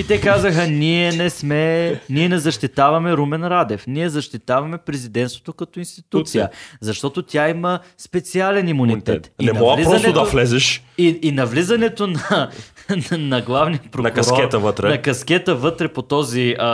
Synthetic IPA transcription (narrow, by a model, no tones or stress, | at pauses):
it̪ɛkazəxəniɛnɛsmɛniɛnɛzɐʃt̪it̪avɐmɛɾumɛnɾad̪ɛfniɛzɐʃt̪it̪avɐmɛpɾɛzid̪ɛnt̪st̪vŏ̥t̪okɐt̪oinst̪it̪ut̪sijəzɐʃt̪ɔt̪ot̪ʲjaiməspɛt̪sialɛnimunit̪ɛt̪inɛmɐmɔlizpɾɐnɛotd̪ɐflɛzɛʃiinɐvlizɐnɛt̪onɐ | nɐɡlˠavniɐpɾonɐkkɐsɾɔkɛt̪əvət̪ɾɛnɐkɐskɛt̪əvɤt̪ɾɛpot̪ɔzi